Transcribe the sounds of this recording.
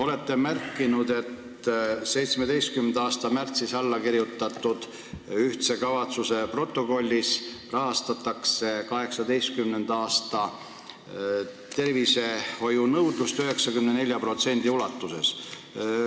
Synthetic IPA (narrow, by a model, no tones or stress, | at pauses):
o̞le̞t̪ːe̞mærkːˑinud̪e̞t̪ | se̞jt̪smed̪e̞jst̪̚kymend̪ɑːst̪ɑmært̪sisɑlːɑkiɾjut̪ːˑɑt̪ːˑud̪̥ | yht̪se̞kɑvɑt̪suse̞pro̞t̪ːˑo̞ko̞lʲːisrɑɦɑst̪ɑt̪ːˑɑkse̞kɑɦe̞ksɑd̪e̞jst̪̚kymne̞nd̪̥ɑːst̪ɑ | t̪e̞rvise̞ho̞junɤwd̪lust̪øɦe̞ksɑkymnene̞lʲjɑpro̞t̪se̞nʲd̪̥iulɑt̪ːuse̞̰s